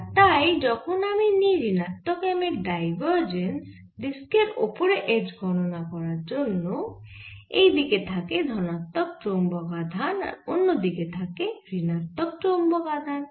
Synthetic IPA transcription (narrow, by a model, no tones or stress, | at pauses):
t̪ajd͡ʒɔkʰɔnaminiɾinat̪ːɔkameɾɖajbɔɾd͡ʒens | d̪iskeɾopɔɾeʔed͡ʒɡʱɔnɔnakɔɾaɾd͡ʒonːɔ | ejd̪iket̪ʰaked̪ʱɔnat̪ːɔk̚ʈombɔɡad̪ʱana̰ɾonːod̪iket̪ʰakeɾinat̪ːɔk̚t͡ʃombɔɡad̪ʱan